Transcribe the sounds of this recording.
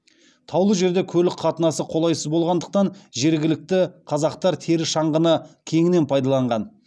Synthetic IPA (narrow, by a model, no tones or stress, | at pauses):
t̪ʰɑwlˠəʒe̞ɾd̪e̞kʲʰɵlɪkχʰɑt̪ənɑsəqʰo̞lˠɑjsəzbo̞lˠʁɑnd̪ə̥q̚t̪ɑnʒe̞ɾɡʲɪlɪk̚t̪ɪqʰɑzɑqt̪ɑɾt̪ʰe̞ɾɪʃɑɴʁənəkʲʰe̞ŋɪne̞npʰɑjd̪ɑlˠɑɴʁɑn